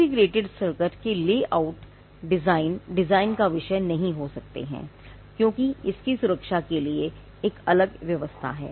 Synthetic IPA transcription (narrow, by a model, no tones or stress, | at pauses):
iɡɾeːʈɪɖsəɾkəɾkeleːʔaʊʈ | ɖɪzaːɪnɖɪzaːɪnkaʋɪʃənɐɦĩɦosɐk̚t̪ḛɦɛ̰̃ː | kjõːkiɪskisʊɾəkʃakelieː | kɐləɡʋjɐʋəst̪ʰa̰ɦɛ̰ː